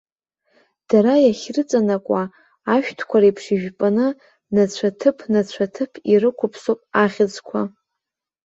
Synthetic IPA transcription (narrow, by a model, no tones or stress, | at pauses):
d̥aɾajaχʲrɨt͡sʼanakʷʼa | aʃᶣtʰkʷʰaɾaipʰʂiʒᶣpʼanɨ | nat͡ɕʷʰatʰɨpʰnat͡ɕʷʰatʰɨpʰiɾɨkʷʰʊpʰsopʼaχʲɪd͡zkʷʰa